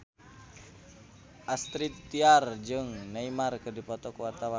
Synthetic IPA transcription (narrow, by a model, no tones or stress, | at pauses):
ʔast̪ɾit̪ːiard͡ʒɨŋnaimarkɨrdipɔt̪ɔkuwart̪awa